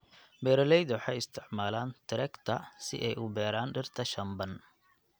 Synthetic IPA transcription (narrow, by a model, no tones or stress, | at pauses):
bɛːɾɔlɛjd̪ɐwħɑjɪst̪ʰɪʕmaːlaːnt̪ʰɪɾɛkt̪ʰɐsɪ̰ʔɛjʔʊbɛːɾaːnɖɪrt̪ʰɐʃɐmbɐn